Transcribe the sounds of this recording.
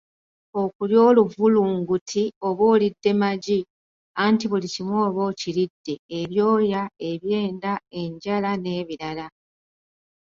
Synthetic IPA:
o̞kuljo̞ːluvuluːŋɡutʰio̞βoːlidːe̞maɟi | antiβulicimwo̞ːβo̞ːciɾidːe̞ːβjo̞ːjae̞βje̞ːndae̞ɲɟalane̞ːβiɾala

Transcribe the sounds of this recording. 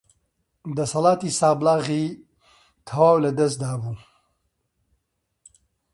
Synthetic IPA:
d̪ɐshɐlaːt̪isaːblaːɣiː | t̪ʰɐwaːwlɐd̪ɐs̬t̪d̪aːbuː

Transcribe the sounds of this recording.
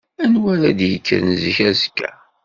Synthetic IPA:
ænwælæ̰d̪jəkːəɾnziçæzkːæ̰

